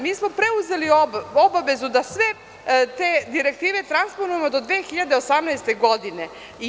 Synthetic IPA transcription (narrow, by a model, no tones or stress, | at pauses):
miːsmo̞pɾe̞uze̞lioo̞baʋe̞zud̪asʋe | t̪eːd̪iɾe̞k̚t̪iːʋe̞t̪ɾansponuje̞mod̪o̞d̪ʋeːxiʎad̪eosamnɛjst̪e̞ɡo̞d̪ine | i